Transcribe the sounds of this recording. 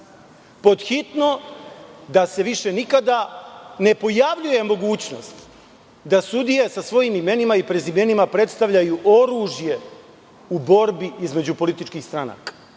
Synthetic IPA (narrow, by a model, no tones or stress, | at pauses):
po̞d̪xit̪no̞ | d̪ase̞ʋiʃe̞nikad̪ane̞po̞jaʋʎuje̞mo̞ɡuːt͡ɕno̞st̪ | d̪asud̪ije̞sasʋo̞jiːmime̞nimaipɾezime̞nimapɾe̞t̪st̪aʋʎajuʔo̞ɾuːʒje̞ | ubo̞ɾbiizme̞d͡ʑupo̞lit̪it͡ʃkiːxst̪ɾana̰ːkḁ